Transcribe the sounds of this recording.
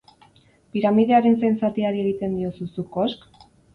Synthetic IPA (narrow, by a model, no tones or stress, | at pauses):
piɾamið̞e̞aɾe̞nsejnsat̪iaɾie̞ɣ̞it̪e̞nd̪io̞susukosk